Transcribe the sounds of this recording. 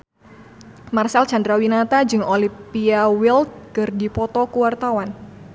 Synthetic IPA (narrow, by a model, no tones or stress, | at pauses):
marsɛlt͡ʃandɾawinat̪ad͡ʒɨŋolipiawilt̪̚kɨrdipɔt̪ɔkuwart̪awan